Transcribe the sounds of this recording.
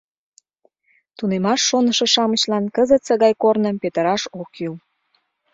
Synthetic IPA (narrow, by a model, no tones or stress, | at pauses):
t̪unemɑʃːonə̆ʃĕʃɑmət͡ɕlɑnkəzət̪səɣɑjkornə̆mpet̪ə̆ɾɑʃokyw